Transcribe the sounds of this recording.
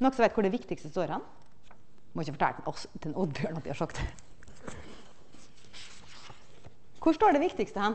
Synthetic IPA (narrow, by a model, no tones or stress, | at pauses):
nɔksɔʋæɪt̪kʰʊɖɛʋɪkt̪ɪkst̪əst̪oːɾhɛn | mɔɪçːəfɔ̥ʈʰɑ̰ːʔɔst̪ʰɪɛnud̪bjøːɳɑt̪̚ɪhɑʂɔkt̪ | kʰʊʂʈoːɖɛʋɪkt̪ɪkst̪əhɛn